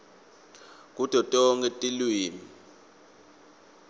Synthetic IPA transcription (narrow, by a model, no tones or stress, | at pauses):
k̬ʼud̥ʱɔtʼɔŋɡetʼilwiːmi